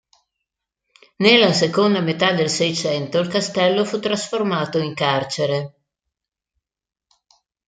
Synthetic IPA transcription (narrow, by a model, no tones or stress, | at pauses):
nelːasekond̪amet̪ad̪elsɛjt͡ʃɛnt̪oilkast̪ɛlːofut̪ːɾasformaːt̪oiŋkart͡ʃeɾe